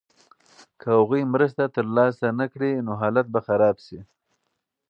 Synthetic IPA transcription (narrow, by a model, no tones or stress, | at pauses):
kʰəaɣujmɾəst̪at̪əɾlɑsanakɽinoɦɑlat̪̚baxaɾɑbʃi